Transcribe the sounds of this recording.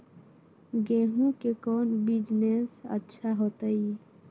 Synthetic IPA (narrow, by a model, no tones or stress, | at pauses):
ɡeɦũkekɔnbid͡ʒnesə̰tːʃʰaɦot̪əi